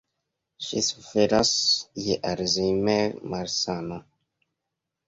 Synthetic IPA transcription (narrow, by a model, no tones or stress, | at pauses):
ʃisufeɾasjeʔaɾziɲmɛmaɾsana